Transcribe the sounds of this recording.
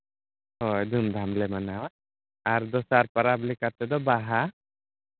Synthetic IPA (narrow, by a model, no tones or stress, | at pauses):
ɦɔjd̪ʱumd̪ʱamlɛmanawa | aɾd̪ɔsaɾpaɾablikaɾt̪ɛd̪ɔbaɦa